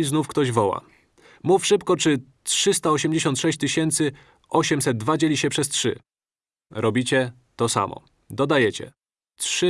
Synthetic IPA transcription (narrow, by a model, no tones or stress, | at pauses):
znufkt̪ɔʑvɔwa̰ | mufʂɘpkɔt͡ʂɘ | tʂɘs̬t̪aɔɕɛmd͡ʑeɕɔnt̪ʂɛɕt͡ɕt̪ɘɕɛnt̪sɘ | ʔɔɕɛmsɛd̪̚d̪ːvad͡ʑelʲiɕɛpʂɛstʂɘ̰ | ɾɔbʲit͡ɕɛ | t̪ɔsa̰mɔ̰ | d̪ɔd̪ajɛt͡ɕɛ̰ | tʂɘ